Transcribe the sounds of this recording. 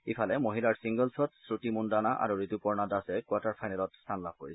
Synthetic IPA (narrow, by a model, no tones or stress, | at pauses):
ifʰalɛmoɦilaɹsiŋɡɔlsɔtsɹutimundanaʔa̰ɹuɹitupɔɹnadasɛkwataɹpʰajnɛlɔtstʰanlab̚ʱkoɹisɛ